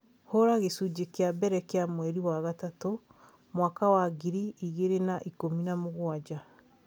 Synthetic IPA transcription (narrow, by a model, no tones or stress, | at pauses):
hoɾaɣesud͡ʒekeabɛɾɛkeamwɛɾiwaɣatato | mwaːkawaɡiɾiiɣeɾenaʔikominamoɣwad͡ʑa